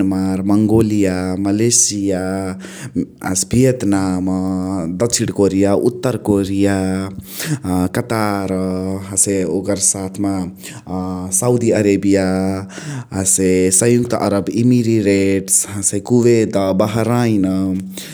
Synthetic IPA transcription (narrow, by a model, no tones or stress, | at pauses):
maɾməŋɡolijaməlesija | sbʱijət̪namad̪ət͡ʃʰiʈkoɾijaʔut̪ːəɾkoɾija | kət̪aɾɦaseokəɾsat̪ʰma | saud̪iəɾebija | ɦasesə̃jukt̪ʔɐ̰ɾəbimiɾiɾeʈsɦasekuʋed̪abəɦɾaina